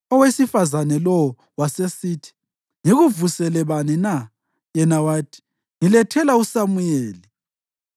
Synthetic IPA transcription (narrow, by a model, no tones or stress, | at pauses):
ɔwesifazanɛlɔwɔ | wasesiːtʰi̥ | ŋeɣuvusɛlɛβanɛna | jɛnawaːtʰi̥ | ŋilɛtʰɛlausamujeːli